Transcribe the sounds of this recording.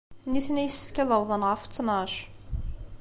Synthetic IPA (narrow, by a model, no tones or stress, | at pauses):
niθnæjəsːə̥fkæðəwðˤənʁəft͡sːnɑʃ